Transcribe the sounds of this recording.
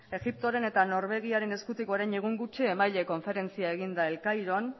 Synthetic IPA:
e̞ɣip̚t̪oɾe̞ne̞t̪ano̞ɾβe̞ɣ̞iaɾe̞ne̞skut̪iko̞ɾajɲeɣ̞uŋɡut͡ʃiemajʎe̞ko̞ɱfe̞ɾe̞nt͡siae̞ɣ̞ind̪ae̞lkajɾo̞n

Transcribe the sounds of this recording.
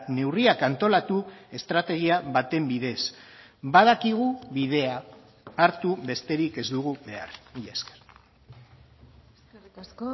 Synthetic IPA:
ne̞wriakant̪o̞lat̪ue̞st̪ɾat̪e̞ɣ̞iaβat̪e̞mbiðe̞s | bað̞akiɣ̞uβið̞e̞aː | ɾt̪uβe̞st̪e̞ɾike̞zd̪uɣuβe̞ariʎaskeɾ

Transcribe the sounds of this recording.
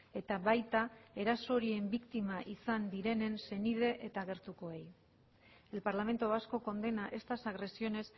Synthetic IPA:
e̞t̪aβajt̪ae̞ɾaso̞ɾie̞mbikt̪imaʔisand̪iɾe̞ne̞nse̞nið̞e̞ʔet̪aɣe̞ɾt̪uko̞e̞j | e̞lpaɾlame̞nt̪oasko̞ko̞nd̪e̞naʔe̞st̪asaɣɾe̞sio̞ne̞s

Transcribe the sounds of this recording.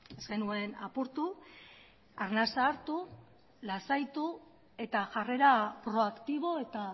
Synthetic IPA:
e̞zɡe̞nue̞na̰puɾt̪u | aɾnasaːɾt̪u | lasajt̪u | e̞t̪aʝare̞ɾapɾo̞akt̪iβ̞o̞e̞t̪a

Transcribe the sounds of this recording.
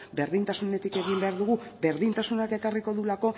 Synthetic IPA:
be̞ɾðint̪asune̞t̪ike̞ɣimbe̞aɾðuɣube̞ɾðint̪asunake̞kariko̞ðulako̞

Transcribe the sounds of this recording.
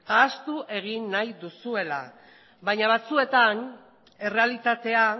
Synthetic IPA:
aːst̪uʔe̞ɣ̞inːajd̪usue̞la̰ | βaɲaβat͡sue̞t̪an | e̞re̞alit̪at̪e̞a

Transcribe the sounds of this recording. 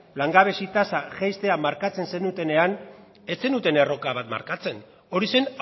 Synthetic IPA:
laŋɡaβe̞sit̪asaʝajst̪e̞amaɾkat͡se̞nse̞nut̪e̞ne̞an | e̞t͡se̞nut̪e̞ne̞ro̞kaβat̪ma̰ɾkat͡se̞n | o̞ɾise̞n

